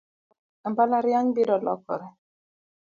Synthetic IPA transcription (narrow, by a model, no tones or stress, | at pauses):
m̩balaɾjaŋ̩biɾɔlɔ̰kɔ̰ɾe